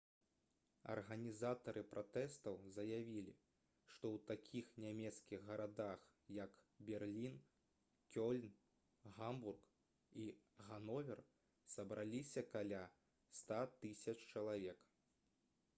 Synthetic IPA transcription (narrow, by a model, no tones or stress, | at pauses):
ɐ̰rɣɐnʲizat̪ɐɾʔɨpɾʔat̪ɛst̪ɐwzɐjavʲilʲḭ | ʂt̪ɔwt̪akʲʰixnʲamʲɛt̪skʲiɣːɐɾad̪ax | jɐk | bʲɛrlʲin | kʲɔlʲn | ɣamburk | iɣanɔvʲɛr | sɐbɾʔalʲisʲɐkalʲa | st̪at̪ɨsʲɐt͡ʂt͡ʃɐlˠavʲɛk